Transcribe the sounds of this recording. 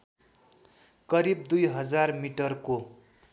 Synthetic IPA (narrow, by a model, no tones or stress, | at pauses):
kʌɾib̚d̪ujɦʌd͡zarmiʈʌrko